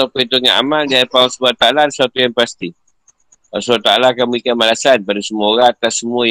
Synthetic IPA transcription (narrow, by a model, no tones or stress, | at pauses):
apəint̪uŋaʔa̰maldiaɾipaasəbuat̪aalansuat̪ujaŋpast̪i | asuat̪aalakanmuikamalasanpadasəmooɾãat̪asːəmuə